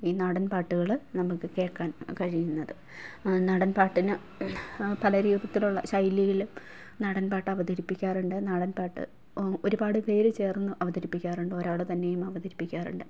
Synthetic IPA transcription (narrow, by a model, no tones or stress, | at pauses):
iːnɐɽɐnpaːʈːuɣɐɭnɐmːukːɨke̞ːkːaːnkɐɻijunːɐðɨ | nɐɽɐnpaːʈːinɨ | pɐlɐɾiːub̪ɐt̪ːiluɭːɐ̰ɕɐjlːijilum | nɐɽɐnpaːʈːɨɐʋɐd̪ɐɾipːikʲːaːruɳɖɨnaɽɐnpaːʈːɨ̰ | o̞ɾubaːɽɨpe̞ːɾut͡ɕe̞ːrnːuʔɐʋɐðɐɾipːikʲːaːruɳɖɨo̞ɾaːɭɨt̪ɐnːe̞jumɐʋɐd̪ɐɾipːikʲːaːrṵɳɖɨ